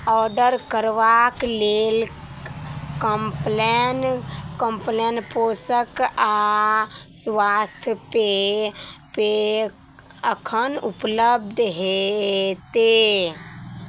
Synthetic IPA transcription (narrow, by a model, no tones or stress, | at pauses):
ɔɾɖəɾkəɾʋaklel | kəmplenkəmplenposəka | sʋast̪ʰjpe | pe | əkʰənupləbd̪ʱɦet̪e